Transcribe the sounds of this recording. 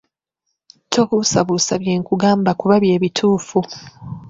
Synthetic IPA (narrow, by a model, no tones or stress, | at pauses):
tʰokusaβusaβje̞ːŋkuɡaːmbakuβaβje̞ːβitʰuːfu